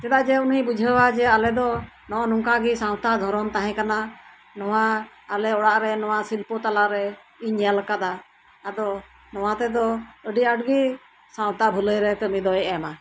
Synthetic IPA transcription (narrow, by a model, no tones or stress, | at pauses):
t̪ɛd̪aʔd͡ʒɛunibud͡ʒʱəwad͡ʒɛalɛd̪ɔ | nɔʔɔnuŋkaɡisaw̃t̪ad̪ʱɔɾɔnt̪aɦɛ̃kana | nɔwaː | lɛɔɽaʔɾɛnɔwasilpɔt̪alaʔɾɛ | iɲalkad̪aː | d̪ɔ | nɔwat̪ɛd̪ɔəɖiaɖɡi | sãw̃t̪abʱuləjɾɛkəmid̪ɔjʔɛma